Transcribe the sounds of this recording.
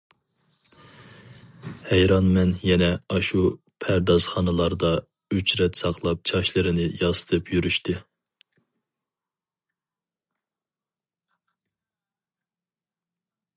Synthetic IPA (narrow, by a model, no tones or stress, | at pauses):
hɛjɾɑnmɛnjɛnɛɑʃu | pʰæɾd̪ɑz̥χɑnɨlˠɑɾd̪ɑ | yt͡ʃɾɛt̪sɑqlˠɑp̚t͡ʃʰɑʃlˠɨɾɪnɪjɑsɨ̥t̪ʰɨpʰjyɾyʃt̪ɪ